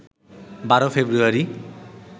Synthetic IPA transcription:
baɾofʰebɾuaɾi

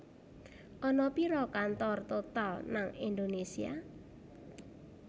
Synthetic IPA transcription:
ʔɔnɔpiɾɔkant̪ɔrt̪ot̪alnaŋind̪onesia̰

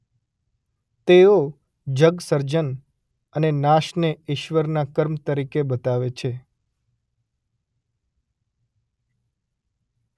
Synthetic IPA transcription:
t̪eo | d͡ʒəɡsəɾd͡ʒən | ənenaʃneɪʃʋəɾnakəɾmt̪əɾikebət̪aʋet͡ʃʰe

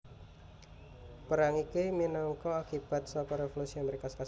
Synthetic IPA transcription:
pəɾaŋikiminɔŋkɔakib̥a̤t̪̚sɔkɔɾefɔlusiaməɾekaskas

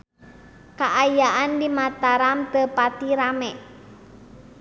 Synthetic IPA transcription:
kaʔajaʔandimat̪aɾamt̪əpat̪iɾamɛʔ

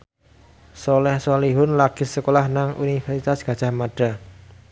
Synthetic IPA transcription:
sɔlɛhsɔliɦʊnlaɡ̥ɪ̤səkolahnaŋʔunifɛrsit̪asɡ̥ä̤dʒ̥a̤hmaɖ̥a̤

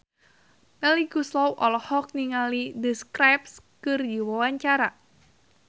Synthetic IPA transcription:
mɛliɡuslɔwʔɔ̰lɔhɔk̚niŋalidəskɾap̚skɨrdiwawaɲt͡ʃaɾa

